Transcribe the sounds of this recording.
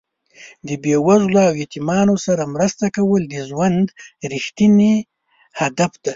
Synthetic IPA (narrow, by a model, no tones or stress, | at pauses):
d̪əbewazloawjet̪imɑnosaɾamɾəst̪akawəld̪əʒwand̪ɾixt̪ine | had̪afd̪̥a